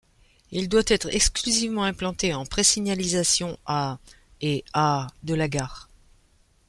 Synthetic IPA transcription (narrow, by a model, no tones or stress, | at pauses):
ild̪wat̪ɛt̪χɛksklyzivmɑ̃ɛ̃plɑ̃t̪eɑ̃pχesiɲjalizasjɔ̃ʔa | ead̪əlaɡaːʁ